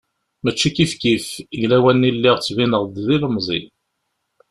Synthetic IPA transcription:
mæt͡ʃːikifkifʝlæwænːilːiʁt͡sːvinəʁd̪ðiləmzˤḭ

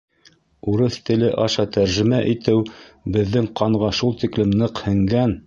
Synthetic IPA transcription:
uɾɤθt̪ɘ̆lɘʔɑʃɑt̪æɾʒɘ̆mæʔit̪ɘwbɘ̆ðːɘŋqɑɴʁɑʃulˠt̪iklɘmnɤqhɘ̆ŋɡæn

